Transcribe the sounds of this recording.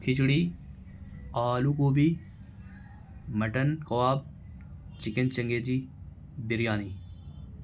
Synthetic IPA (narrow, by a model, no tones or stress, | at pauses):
kʰɪt͡ʃɽi | aːlukoːbi | mɐʈɐnkɐwaːb̚ | t͡ʃɪkent͡ʃɐŋɡeːd͡ʒi | b̪ɪɾjaːniː